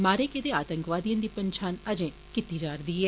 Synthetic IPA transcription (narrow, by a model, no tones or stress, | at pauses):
maːɾeːkɪt̪eːaːt̪ə̃ŋkʋaːd̪ijãːd̪iːpəɲt͡ʃʰaːnəd͡ʒẽː | kit̪iːd͡ʒaːɾd̪iːɦɛː